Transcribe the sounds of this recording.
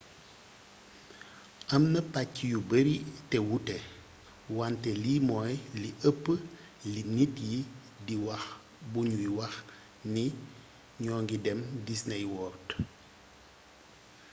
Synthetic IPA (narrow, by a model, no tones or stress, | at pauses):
ʔɐmnɐpacːijubəɾitɛwutɛ | wantɛlimɔjliʔəpːə | linitji | diwɐx | buɲuwiwɐx | ni | ɲɔːŋɡidɛmdisnɐjwɔːt